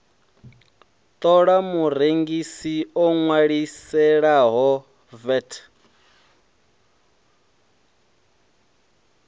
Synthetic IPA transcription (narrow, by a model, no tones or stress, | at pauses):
t̪ʼɔɺamuɾeŋɡisiɔŋwaɺisɛɺaɦɔ | vɛtʰ